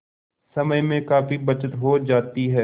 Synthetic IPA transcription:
sɐməjmẽkaːfibɐt͡ʃət̪ɦoːd͡ʒaːt̪iɦɛː

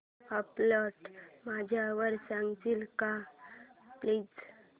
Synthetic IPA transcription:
əpləʈmad͡ʑʱjaʋəɾsãŋɡt̪ilka | pliːd͡z

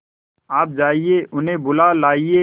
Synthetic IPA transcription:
aːp̚d͡ʒaːieːʔʊnɦẽːbʊlaːlaːieː

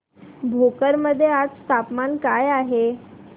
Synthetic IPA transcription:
bʱokəɾməd̪ʱːjead͡zst̪ʰapmankajaɦe

